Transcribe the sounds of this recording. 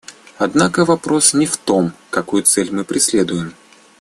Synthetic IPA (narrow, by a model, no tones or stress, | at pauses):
ɐd̪nakəvɐpɾo̞snʲɪft̪o̞mkɐkujʊt̪sɛlʲmɨpɾʲɪsʲlʲed̪ʊjɪm